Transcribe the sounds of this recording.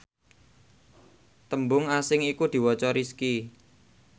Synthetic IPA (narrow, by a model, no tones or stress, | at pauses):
t̪əmbʊŋasɪŋikud̪̥i̤wɔt͡ʃɔɾiski